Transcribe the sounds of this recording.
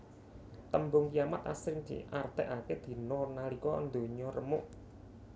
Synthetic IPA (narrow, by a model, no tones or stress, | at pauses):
t̪əmbʊŋkijamat̪a̰sɾɪŋd̪̥i̤̰ʔart̪ɛʔaked̪̥i̤nɔnalikɔ̰nd̪o̤ɲɔrəmʊʔ